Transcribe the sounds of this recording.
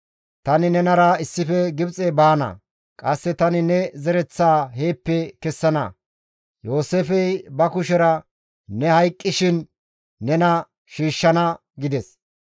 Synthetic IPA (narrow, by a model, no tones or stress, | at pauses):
t̪ɐnɪnɛnɐɾɐɪsːɪfɛɡɪbt͡sʼɛbaːnɐ̰ | kʼɐsːɛt̪ɐnɪnɛzɛɾɛt͡sːaːheːpːɛkɛsːɐnɐ̰ | joːseːfɛjbɐkʊʃɛɾɐ | nɛhɐjkʼːɪʃɪnː | ɛnɐ | ʃiːʃːɐnɐ | ɡɪd̪ɛs